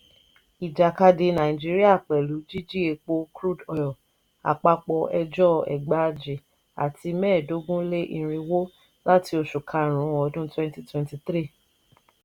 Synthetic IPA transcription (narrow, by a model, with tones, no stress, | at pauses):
i˨d͡ʒa˨ka˧de˧nã˨ĩ˨d͡ʒi˦ɾi˦a˦˨k͡pɛ˨lu˨˦d͡ʒi˦d͡ʒi˦e˧k͡po˧kɾu˦˨dɔ˨jɔ˨ | a̰˨k͡pa˧k͡pɔ˧ʔɛ˧d͡ʒɔ˦ɛ̰˨ɡ͡ba˨˦˧d͡ʒi˨ | a̰˨ti˧mɛː˦˨do˦ɡũ˦le˦ʔi˧ɾ̃ĩ˧wo˦ | la˦ti˧o˧ʃu˨kʰa˧˦ɾ̃ũ˨˦wɔ̃˨˧˦dũ˦twɛ̃˦nti˦twɛ̃˧nti˧t̪ɾi˦˨